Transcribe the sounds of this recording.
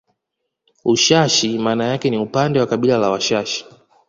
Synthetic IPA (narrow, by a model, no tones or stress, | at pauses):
uʃaʃimaːnajakɛniupandɛwakaɓilalawaʃaʃi̥